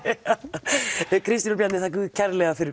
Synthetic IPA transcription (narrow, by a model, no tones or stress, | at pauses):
kʰɾɪst̪inʏɾpjat̪nɪθak̬ʏðcʰɛɾlɛɣafɪɾ